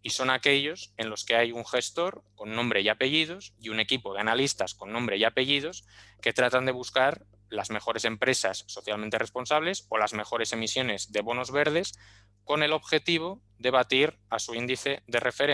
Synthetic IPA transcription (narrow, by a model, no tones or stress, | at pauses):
iso̞nake̞ʎo̞se̞nlo̞ske̞ajuŋxe̞st̪o̞ɾko̞nːõmbɾe̞jape̞ʝið̞o̞siune̞kipo̞ð̞eanalist̪asko̞nːõ̞mbɾe̞jape̞ʝiðo̞ske̞t̪ɾat̪and̪eβuskaɾ | lazme̞xo̞ɾe̞se̞mpɾe̞sasːo̞θjalmẽnt̪e̞rʔe̞spo̞nsaβ̞le̞so̞lazme̞xo̞ɾe̞se̞misjo̞ne̞zðe̞βo̞nozβe̞ɾð̞e̞s | ko̞ne̞lo̞βxe̞t̪iβ̞o̞ | ðe̞β̞at̪iɾ | asuind̪iθe̞ðe̞rʔe̞feɾe